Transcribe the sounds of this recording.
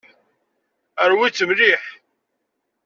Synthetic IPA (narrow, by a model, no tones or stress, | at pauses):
əɾwit͡sːəmliħ